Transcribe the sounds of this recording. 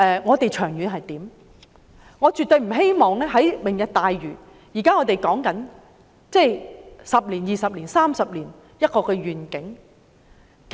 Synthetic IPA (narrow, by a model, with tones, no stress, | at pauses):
ɛː˨˧ŋɔː˨˧t̪e˨jt͡ʃʰœː˨˩ŋjy˨˧nɦɐ˨jt̪iː˨˥m | ŋɔː˨˧t͡ʃy˨t̪̚o˨˧ɥm̩˨˩ɦe˥jmɔː˨ŋlɛː˥ɦɐ˨˥jmɪ˨˩ŋjɐ˨t̚t̪aː˨jɥyː˨˩ | jiː˨˩kaː˥ŋɔː˨˧t̪e˨jkɔː˨˥ŋkɐ˨˥n | t͡sɛ˥˩jsɐ˨p̚liː˨˩njiː˨˩sɐ˨p̚liː˨˩nsaː˥msɐ˨p̚liː˨˩n | jɐ˥t̚kɔː˧kɛː˧ɥyː˨nkɪ˨˥ŋ | k